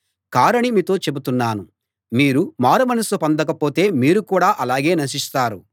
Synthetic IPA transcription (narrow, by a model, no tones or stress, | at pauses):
kaːɾɐɳimiːt̪o̞ːt͡ʃe̞but̪unːaːnu | miːɾumaːɾɐmɐnɐsupɐnd̪ɐkɐpoːt̪e̞ːmiːɾukuːɽaːʔɐlaːɡe̞ːnɐʃ̬ist̪aːɾu